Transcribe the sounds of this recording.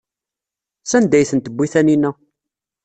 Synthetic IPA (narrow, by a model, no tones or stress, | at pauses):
sænd̪æjθənt̪əbʷːiθæninːæ